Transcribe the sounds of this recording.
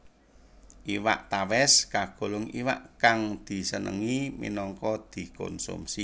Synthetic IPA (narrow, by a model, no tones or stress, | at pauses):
ʔiwa̰ʔt̪awɛskaɡ̥o̤lʊŋiwa̰ʔkaŋd̪̥i̤sənə̰ŋimḭnɔŋkɔd̪̥i̤kɔ̰nsṵmsi